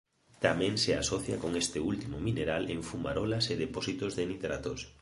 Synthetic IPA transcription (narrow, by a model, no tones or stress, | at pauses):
t̪amɛ̃ŋseasɔθja̰koŋest̪ɪult̪imomineɾaleɱfuma̰ɾɔlaseðepɔsit̪ozðenit̪ɾa̰t̪os